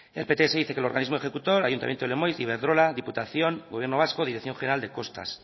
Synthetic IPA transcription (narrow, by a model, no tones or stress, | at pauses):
elpet̪eeseðiθe̞kelo̞ɾɣanizmoexekut̪o̞ɾajunt̪a̰mjent̪olemojziβeɾðɾo̞laðiput̪aθjo̞ŋɡoβjeɾnoβ̞askoðiɾekθjo̞ŋχeneɾald̪e̞ko̞st̪a̰s